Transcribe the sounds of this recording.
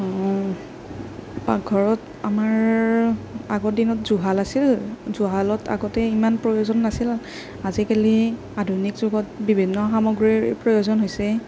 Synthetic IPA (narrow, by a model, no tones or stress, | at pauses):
ɔ | paɡʱɔɹɔt | amaɹ | aɡɔtdinɔtzuɦalasilzuɦalɔtʰa̰ɡɔtɛimanpɹojozɔnːasil | azikali | adʱunikzʊɡɔtbibʱinːɔxamɔɡɹipɹojozɔnɦojsɛ